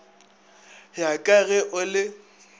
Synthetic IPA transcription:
jakʼaɣɛʔʊlɪ

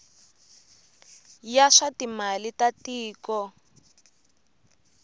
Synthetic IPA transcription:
jaʂatimalitatiːkɔ

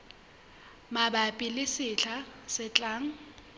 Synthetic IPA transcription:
mabapʼɪlɪsɪɬʰasɪt͡ɬʼaːŋ̩

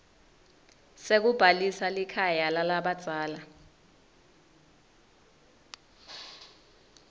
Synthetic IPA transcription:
sek̬ub̥ʱalisalikʰajalalaɓad̥z̥ʱaːla

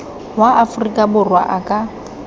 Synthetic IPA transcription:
waʔafʊrikʼabʊrwa̰ʔakʼa

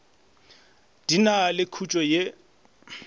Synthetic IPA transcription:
d̥inalɪkʰut͡ʃʼɔje

